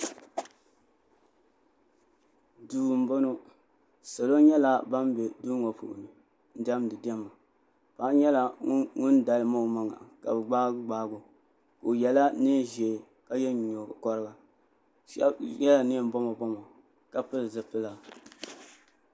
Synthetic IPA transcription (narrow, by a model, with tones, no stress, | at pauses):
duː˨m̩˨bo˦no˦ | sa˨lo˦ɲɛ˦la˦ba˦mbɛ˨duː˦ŋɔ˨pṵ˨ʔʊ̰˨ni˨ | n̩˦da˦mdɨ˨dɛ˦mːa˨ | pa˨˦ɲɛ˦la˨˦ŋʊ˦nda˨lɨ˨ma˦˨ma˨ŋa̰˨ka̰˨bɨ˨ɡ͡baː˦ɡ͡baː˦ɡʊ˨ | ko˨jɛ˨la˦ne˦ʒɛ˨ | ka˦jɛ˦˨ɲo˨kɔ˦ɾɨ˦ɡa˨ | ʃɛ̰˦bjɛ˦la˨nɪ˦˨m˦bɔ˦ma˨bɔ˦ma˨ | ka˨pɨ˦lzɨ˨pɨ˦la˨